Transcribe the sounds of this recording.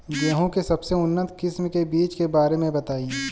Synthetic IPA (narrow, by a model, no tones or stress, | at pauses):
jeɦõkesɐbseʊnːət̪kɪsmkebiːt͡ʃkebaːɾemẽbɐt̪aːi